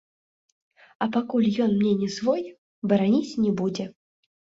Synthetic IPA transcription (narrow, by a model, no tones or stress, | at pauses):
ɐpakulʲjɔnmnʲɛnʲɛzvɔj | bɐɾanʲit͡sʲnʲɛbud͡zʲɛ